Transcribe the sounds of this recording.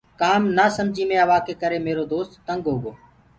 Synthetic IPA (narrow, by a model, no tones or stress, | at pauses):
kaːmnaːsəmd͡ʒʱiːmẽːəʋaːkeːkəɾeːmeːɾoːd̪oːst̪ːəŋɡɦoːɠoː